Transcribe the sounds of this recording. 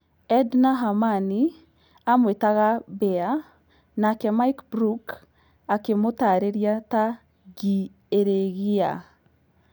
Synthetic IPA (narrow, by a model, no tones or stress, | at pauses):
ɛdnaɦamani | amwetaɣabɛa | nakɛmaikbɾuk | akemotaɾeɾjata | ɡi | eɾeɣia̰